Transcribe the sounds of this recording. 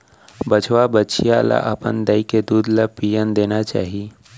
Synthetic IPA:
bət͡ʃʰwabətːt͡ʃʰijala̰ʔəpənd̪əjked̪uːd̪lapijənd̪eːnat͡ʃa̰ːɦi

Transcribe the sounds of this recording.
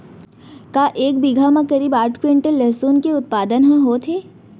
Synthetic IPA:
kaːʔeːk̚bɪɡʱamãkɐɾiːbaːʈʰkwẽːɳʈelɛːsuːnkeʊt̪̚paːd̪ənɦɐ̃ɦoːt̪ʰeː

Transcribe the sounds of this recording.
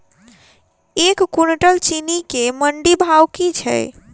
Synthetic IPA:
ekːunʈəlt͡ʃinikeməɳɖibʱawkit͡ʃʰə̰j

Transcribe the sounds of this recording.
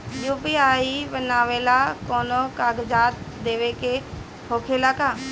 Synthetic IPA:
juːpiaːibənaːʋelakoːnokaːɡd͡ʒaːt̪̚d̪eːʋeke | hoːkʰelakaː

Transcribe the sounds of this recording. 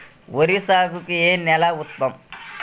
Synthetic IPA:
woɾisaːɡukienɛlaut̪̚pɐm

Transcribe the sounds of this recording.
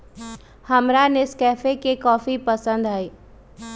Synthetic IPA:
hɐmɾanɪskɛːfekekɔːfipəsə̃nd̪aiː

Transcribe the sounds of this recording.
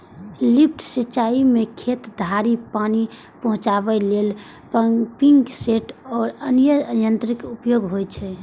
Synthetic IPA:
lip̚ʰʈʰsit͡ʃaimekʰet̪d̪ʱaɾipani | pəɦũt͡ʃabɛlel | piŋɡseʈɔːɾənjəjənt̪ɾikupjoɡɦojt͡ʃʰɛ

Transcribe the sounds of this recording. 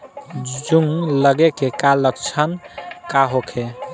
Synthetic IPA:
d͡ʒuŋləɡekekalək̚t͡ʃʰənkaɦokʰe

